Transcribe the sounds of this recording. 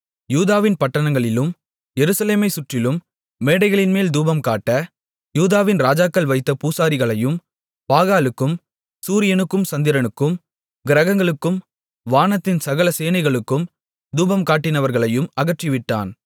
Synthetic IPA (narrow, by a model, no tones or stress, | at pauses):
juːðaːʋɪnpɐʈːɐɳɐŋɡɐɭɪlɯm | jɛɾɯsɐleːmɐɪsʊʈrɪlɯmː | eːɽɐɪɣɐɭɪnmeːld̪uːbɐmkaːʈːɐ | juːðaːʋɪnɾaːd͡ʒaːkːɐlʋɐɪt̪ːɐpuːsaːɾɪɣɐɭɐjɯm | paːɣaːlɯkːɯm | suːɾɪjɐnɯkːɯmsɐnd̪ɪɾɐɳɯkːɯm | ɡɪɾɐɣɐŋɡɐɭɯkːɯm | ʋaːnɐt̪ːɪnsɐɣɐlɐseːnɐɪɣɐɭɯkːɯm | d̪uːbɐmkaːʈːɪnɐʋɐɾɣɐɭɐjɯmɐɣɐʈrɪʋɪʈːa̰ːn